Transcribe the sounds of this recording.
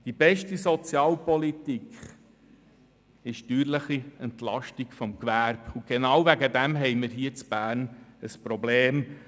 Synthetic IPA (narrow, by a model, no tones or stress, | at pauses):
d̥ib̥ɛʃtisɔt͡sjɑːlpɔlit̪ikχ | ɪʃtyːɾləχiɛnt̪lɑʃtiɡfɔmkʋæɾbuɡ̥enɑwvæɡəd̪ɛmɦɛɪməɾɦiːət͡sb̥æːɾnəspɾɔbleːm